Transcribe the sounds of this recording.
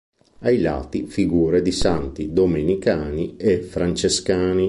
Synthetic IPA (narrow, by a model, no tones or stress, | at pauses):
ajla̰ːt̪ifiɡuːɾed̪isant̪id̪omenikaːniefɾant͡ʃeskaːni